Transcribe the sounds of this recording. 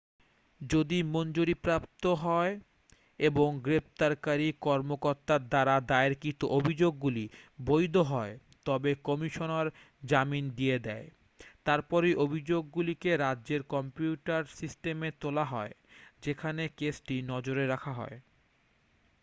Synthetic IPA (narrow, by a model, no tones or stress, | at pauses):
d͡ʑod̪imond͡ʑoɾipɾap̚t̪oɦɔe | eboŋɡɾept̪aɾkaɾikɔɾmokoɾt̪aɾd̪aɾad̪aeɾkit̪uʔobʱid͡ʑoɡːulibojd̪ʱoɦɔe | t̪ɔbekɔmiʃonaɾ | d͡ʑamind̪ied̪ɛe | t̪aɾpɔɾejʔobʱid͡ʑoɡːulikeɾadːʑeɾkɔmpiuʈaɾsisʈemet̪olaɦɔed͡ʑekʰanekesʈinɔd͡ʑoɾeɾakʰaɦɔ̰e